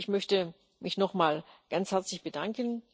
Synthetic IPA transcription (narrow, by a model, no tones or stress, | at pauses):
ɪçmœçtə | mɪçnɔχmaːlɡ̥ant͡shɛɐt͡slɪçb̥ədaŋkən